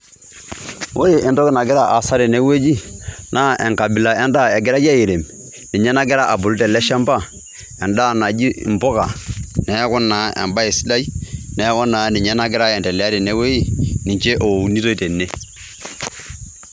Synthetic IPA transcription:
wʔo˦je˨ʔɛ˨dɔ˦ɡɪ˦na˨ɡɪ˦ɾa˦ʔa˨sa˦ɾi˨ne˦we˦d͡ʒi˦nʔa˦ʔɛ˨ŋka˨bi˨la˨ɛ˦nda˦ɛ˨ɡɪ˦ɾa˦d͡ʒa˦je˨ɾe˨m | ni˨ɲɛ˦na˦ɡɪ˦ɾa˦ʔa˨bu˨ltɛ˨lɛ˦ʃa˦mba˦ | ɛ˨nda˦˨na˨d͡ʒi˦˨m̩˨bɔ˦ka˨nɛ˨˦ja˦kɔ˦nːa˨˦ɛ̰˨mba˦e˨si˦la˦i˦nɛ˨˦kɔ˦nːa˨ni˨ɲɛ˦na˦ɡɪ˦ɾa˦ɛ˨tɛ˨lɛ˨a˦ɾi˨ne˦we˦ji˦ni˨ɲt͡ʃe˦ʔo˨ni˦to˦i˦te˨nːe˦

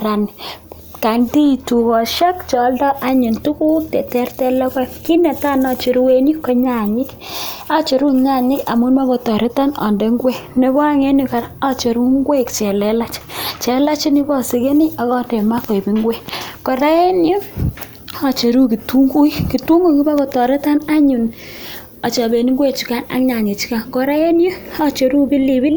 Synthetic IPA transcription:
ɾa˨ni˨ | ka˨ndi˦˨tu˨kɔ˨ʃa˦kt͡ʃɔ˨˦ldɔ˦ʔa˦ɲi˨ntu˦ku˦ktɛ˨tɛ˦rtɛ˦lɔ˦kɛ˦ki˦nɛ˨ta˦˨na˦t͡ʃi˨ɾu˦we˦ni˦kːo˦ɲa˨ɲɪ˦k | a˦t͡ʃo˨ɾu˦ɲa˦˨ɲɪ˦ka̰˨mu˦nma˦ko˧tɔ˨ɾi˦ta˦nɔ̰˨nde˦ŋɡwe˦ne˦bɔ˦a˦ŋe˦ni˦ka˨ɾa˦t͡ʃe˨ɾu˦ŋɡwe˦kt͡ʃɛ˨lɛ˦la˦t͡ʃt͡ʃe˨la˦t͡ʃi˦ni˦bɔ˦˨si˨ke˦ni˦a˨kɔ˦de˨ma˦ke˨bi˦ŋɡwe˦kɔ˨ɾa˦e˦njo˦ | a˨t͡ʃe˨ɾu˦ki˨tu˦ŋɡu˦i˦ki˨tu˦ŋɡu˦˨ki˦ba˦kɔ˨tɔ˨ɾe˦ta˦na˦ɲu˨n | a˨t͡ʃa˨be˨ni˦ŋɡwe˦t͡ʃu˨ka˦na̰˦kɲa˨ɲi˨t͡ʃi̥˦ka˨ŋkɔ˨ɾa˦je˦njo˦a˦t͡ʃe˨ɾu˦bi˦li˨bi˦l

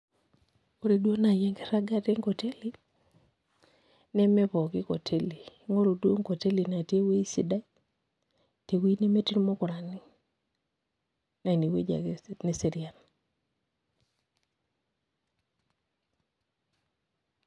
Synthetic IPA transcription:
o˦ɾe˨dwo˦na˨jɛ˦ŋɡe˦ɾa˦ɡa˦te˦ŋko˨te˦li˦ | nɛ˦mɛ˦pɔ˨kɪ˦ko˨tʰe˦li˨ŋo˦ɾo˨dwo˦ŋko˨te˦li˨na˨tje˦we˦i˦sḭ˨da˦i | te˨wi˦ne˦me˦ti˦ɾmo˦kʊ˨ɾa˨ni˦ | na˨ni˨wḛ˦d͡ʒa̰˨ne˦se˨ɾi˨a˨n

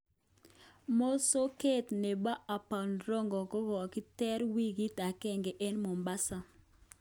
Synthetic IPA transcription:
mo˦so˦ke˦t̪ne˨ba˦ʔa˨pa˨nɾɔ˦ŋɡɔ˨ko˦wɔ˨ki˦tɛ˦ɾwi˦ɡi˦ta˨kɛ˦ŋɡe˨ʔe˦nmo˨mba˦sa˦

